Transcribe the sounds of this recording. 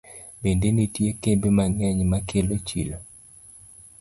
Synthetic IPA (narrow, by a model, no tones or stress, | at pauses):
bendenitjekebemaŋɛɲmakʰelot͡ʃḭlo